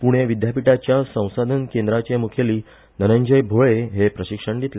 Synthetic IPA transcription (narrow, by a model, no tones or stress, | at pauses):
puɽ̃eʋid̪japiʈat͡ɕjasə̃w̃sad̪ʱənkend̪ɾat͡ɕemukʰeliː | nənəɲd͡ʑəjbʱoɭeɦepɾəɕikʂəɳd̪it̪le